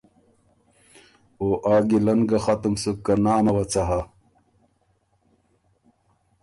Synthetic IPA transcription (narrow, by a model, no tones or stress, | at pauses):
oːʔaːɡilɐnɡɐxɐt̪umsukːɐnaːmɐwɐt͡sɐɦa